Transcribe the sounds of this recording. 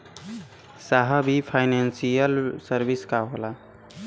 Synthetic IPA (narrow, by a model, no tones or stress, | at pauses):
saɦəbʱipʰajnansijəlsəɾbiskaɦola